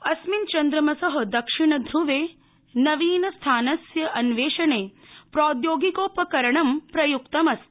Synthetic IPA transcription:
ɐsmint͡ʃɐnd̪ɾɐmɐsɐɦɐ̆d̪ɐkʂiɳɐd̪ʱɾuʋeː | nɐʋiːnɐst̪ʰaːnɐsjɐʔɐnʋeːʂɐɳeː | pɾoːd̪joːɡikoːpɐkɐɾɐɳɐmpɾɐjukt̪ɐmɐst̪

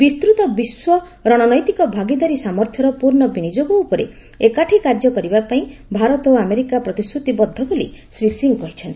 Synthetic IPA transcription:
bist̪ɾut̪ɔbiswɔ | ɾɔɽ̃ɔnɔjt̪ikɔbʱaɡid̪aɾisamɔɾt̪ʰjɔɾɔpuɾɳɔbinid͡ʒoɡɔupɔɾḛ | ekaʈʰikaɾd͡ʒɔkɔɾibapaĩbʱaɾɔt̪ɔameɾikapɾɔt̪ist̪ɾut̪ibɔd̪ʱːɔbolḭsɾisiŋkɔɦit͡ʃʰɔnt̪i

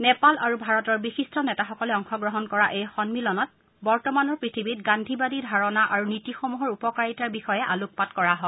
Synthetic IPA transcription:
nɛpalaɹubʱaɹɔtɔɹbixistɔnɛtaxɔkɔlɛɔŋxɔɡɹɔɦɔnkɔɹaʔejxɔnmilɔnɔt̚ | bɔɹtɔmanɔɹpɹitʰibitɡandʱibadidʱaɹɔnaʔaɹunitixomuɦɔɹupɔkaɹitaɹbixɔjɛʔaluk̚patkɔɹaɦɔ

